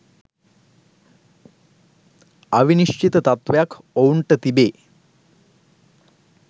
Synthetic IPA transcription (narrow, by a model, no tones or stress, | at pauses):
ɐʋiniʂʈit̪ət̪ɐt̪ʋjakʰ | owɳʈət̪ibeː